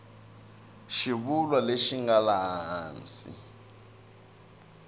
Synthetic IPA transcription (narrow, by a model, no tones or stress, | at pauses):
ʃiβulwaleʃiŋɡalaɦɦaːnt͡sḭ